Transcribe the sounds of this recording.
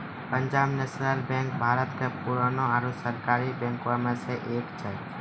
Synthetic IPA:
pəɲd͡ʒaːbneːsnəlbẽŋk̚bʱaːɾət̪kʰepuɾaːnoaːɾusəɾkaːɾibɛ̃ːŋkamẽseʔeːkt͡ʃʰeː

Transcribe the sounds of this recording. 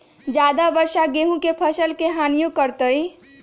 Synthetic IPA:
d͡ʒjaːd̪abəɾʃaɡeːɦũkepʰəʃəlkeɦaːnijõkəɾt̪əi

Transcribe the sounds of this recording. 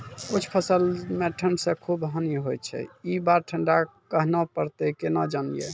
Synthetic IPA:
kut͡ʃʰpʰəsəlmeʈʰəɳɖsə̃kʰubɦəniɦot͡ʃʰɛ̰ibaɾʈʰəɳɖakəɦnapəɾt̪ekenad͡ʒanjḛ

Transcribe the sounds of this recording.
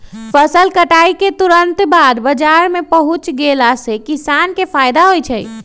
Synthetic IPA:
pʰəsəlkəʈaiket̪uɾənt̪bad̪bəd͡ʒaɾmepəɦut͡ʃɡelasekisankepʰajd̪aɦojt͡ʃʰəj

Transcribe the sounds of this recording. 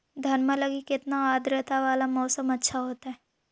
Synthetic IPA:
d̪ʱɐnmə̃lɐɡikɪt̪naaːd̪ɾət̪aʋaːlamɔːsəmɐtːʃʰaɦoːt̪aɦɛː

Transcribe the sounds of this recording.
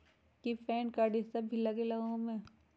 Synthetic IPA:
kipʰɛːnkaɖɪst̪əbʱilɐɡelɐɡõmẽ

